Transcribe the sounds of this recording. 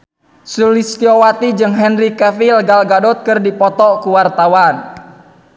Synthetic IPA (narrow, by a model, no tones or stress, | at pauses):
sulist̪iɔwat̪id͡ʒɨŋɦɛnrikɛfilɡalɡadɔt̪̚kɨrdipɔt̪ɔkuwart̪awan